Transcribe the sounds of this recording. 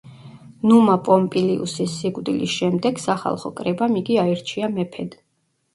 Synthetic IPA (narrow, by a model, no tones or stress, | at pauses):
numapʼɔmpʼiliṵsisːikʼd̪ilisʃɛmd̪ɛɡ̥saχa̰lˠχɔ̰kʼɾɛbamiɡiaiɾt͡ʃʰiamɛpʰɛd̪